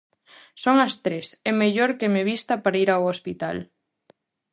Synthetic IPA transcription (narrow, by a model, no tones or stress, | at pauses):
soŋɐst̪ɾesɛmeʎoɾkemeβist̪apaɾaiɾawospit̪a̰l